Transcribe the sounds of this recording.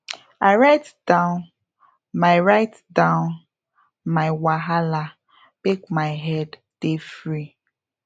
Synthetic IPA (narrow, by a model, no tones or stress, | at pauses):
aɪɹaɪtd̥ãʊ̃n | maɪɹaɪt | dãʊ̃n | maɪwaɦala | bekmaɪɦɛd | d̥efɾi